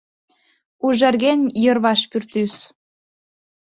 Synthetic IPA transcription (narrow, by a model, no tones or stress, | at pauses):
uʒerɣenʲjɤ̆rβɑʃpyrt̪ys